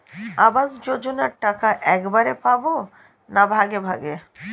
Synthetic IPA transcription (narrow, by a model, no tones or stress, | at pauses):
abazd͡ʑod͡ʒonaɾʈakaʔɛkbaɾepabo | nabʱaɡebʱaɡe